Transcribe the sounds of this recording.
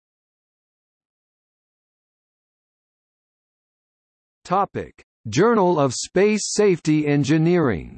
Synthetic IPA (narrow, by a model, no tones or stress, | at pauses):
tʰɑpɪ̰k | d̥ʒ̥ɜ˞nl̩ˠʌv̥speɪseɪftiɛ̃nd͡ʒɨnɪɹɪ̰̃ŋ